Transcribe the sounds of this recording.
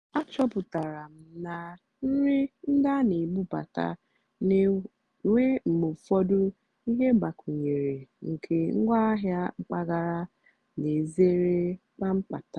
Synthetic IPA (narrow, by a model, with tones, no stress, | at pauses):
a˦t͡ʃɔ˦pʊ˨ta˨ɾa˨m̩˨na˨ | n̩˦ɾi˦n̩˦da˦ni˨ɡ͡bu˦pa̰˨ta̰˨ | ne˨ | wʷe˦m̩˨mu˨fɔ˦dʊ˦ | i˦ɦe˦ɡ͡ba˨kʰu˨ɲe˨ɾe˨ŋ̩˨kʰe˨ŋ̩˦ɡʷa˦ɦja˦ŋ͡m̩˨k͡pa˦ɡa˨ɾa˦ | ne˨ze˦ɾe˦k͡pa˦m̩˦pa̰˨ta˨